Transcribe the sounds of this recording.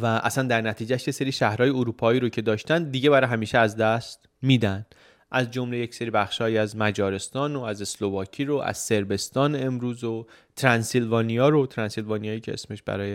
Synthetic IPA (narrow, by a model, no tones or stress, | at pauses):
væʔæ̰sænd̪æɾnæt̪ʰiːd͡ʒæʃje̞se̞ɾiʃæhɾɒːjeoɾuːpʰɒːiːɾocʰe̞d̪ɒːʃt̪ænd̪d̪iɟe̞bæɾɒɦæmiːʃeæzd̪æst̪ | miːd̪ænd̪̥ | ʔæzd͡ʒo̞mle̞je̞cse̞ɾiːbæxʃhɒːjiːæzmæd͡ʒɒːɾe̞st̪ɒːnoæze̞slo̞vɒːcʰiːɾoʔæ̰z̥se̞ɾbe̞st̪ɒːneemɾuːzo | t̪ʰɾænsilvɒːnijɒːɾot̪ʰɾænsilvɒːnijɒːiːcʰe̞ḛsme̞ʃbæ̰ɾɒːje